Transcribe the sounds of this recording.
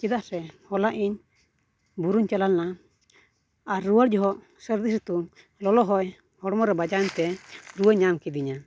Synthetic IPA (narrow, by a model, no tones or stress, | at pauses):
t͡ʃid̪aʔɾɛhɔlaʔiɲ | buɾuɲt͡ʃalalna | aɾːuwaɽd͡ʒɔɦɔʔ | səɾd̪isɾit̪u | lɔlɔɦɔj | hɔɽɔmɔɾɛbad͡ʒant̪ɛɾuwəɲamkid̪iɲa